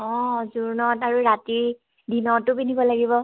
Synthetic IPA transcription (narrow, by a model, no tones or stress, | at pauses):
ɔ̃zuɹnɔtaɹuɹatiɹ | dinɔtʊpinibɔlaɡibɔ